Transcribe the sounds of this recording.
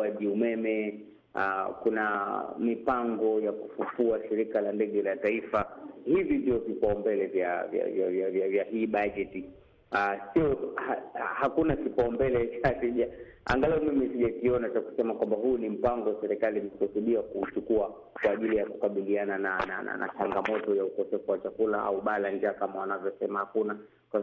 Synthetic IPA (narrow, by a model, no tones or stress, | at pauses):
aʄiumɛmɛ | akunamipaŋɡɔjakufufuaʃiɾikalandɛɠɛlataifahivindiɔvipaɔmbɛlɛvjavja̰vja̰vjavjavjaɦiːɓaʄɛti | asiɔhahakunakipaɔmbɛlɛt͡ʃasiʄa | a̰ŋɡalaɔmimisiʄakiɔnat͡ʃaku̥sɛmakwambaɦunim̩paŋɡɔwasɛɾɛkalimkusuɗiakut͡ʃukua | kwaːʄilijaku̥kaɓiliananana̰na̰nʔa̰t͡ʃaŋɡamɔtɔjaukɔsɛfuwat͡ʃakulaa̰uɓaland͡ʒaːkamawanavjɔsɛmahakuna | kwa